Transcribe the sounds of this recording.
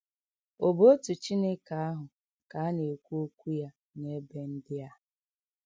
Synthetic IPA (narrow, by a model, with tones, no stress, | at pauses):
o˨bo˦o˦tu˨t͡ʃi˦ne˦ka˨a˦ɦʊ˨ | ka˨a˦ne˨kʷu˦o˦kʷu˦ja˦ | ne˦be˦n̩˦dɪ˦a˦˨